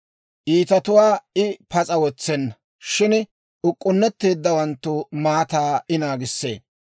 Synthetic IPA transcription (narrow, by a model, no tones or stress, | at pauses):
ʔiːt̪ɐt̪ʊwaːɪpɐt͡sʼɐwɔt͡sːɛnːɐ | ʃɪn | ʔʊkʼːʊnːɛt̪ːeːd̪ːɐwɐnt̪ːʊmaːt̪aːʔɪnaːɡɪsːḛː